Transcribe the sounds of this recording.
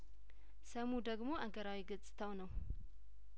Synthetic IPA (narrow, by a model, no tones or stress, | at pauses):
səmud̪əɡmo̞ʔaɡəɾawiɡɨt͡sʼɨ̥t̪ʰəwnəw